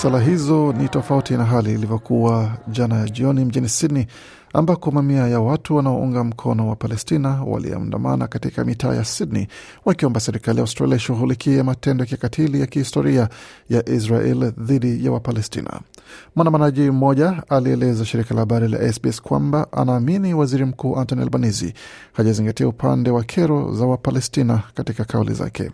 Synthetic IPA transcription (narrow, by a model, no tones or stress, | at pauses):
salaɦizɔnitɔfautinaɦaliːlivɔkʰuwaʄanaʄiɔnim̩ʄinisidni | ambakɔmamiajawatuwanaɔʔuŋɡam̩kʰɔnɔwapalɛstinawa̰lḭɛ̰ɔ̰nda̰ma̰na̰katika̰mita̰ːjasidnḭ | wakiɔmbasɛɾikalijauwstɾa̰liaiʃuɣulikiɛmatɛndɔjakiakatʰilijakihistɔɾiajaʔisɾaʔɛ̰lðiɗijawapalɛstḭna̰mandamanaʄim̩mɔʄaaliɛlɛzaʃiɾikalahaɓaɾila̰ʔɛsbiɛskwa̰mbaʔa̰naːminiwaziɾim̩kuːʔantɔnia̰lbanizḭ | haʄaziŋɡatiaupʰa̰ndɛwakʰɛɾɔ̰zawapalɛstinakatikakʰaulḭza̰kʰɛ̰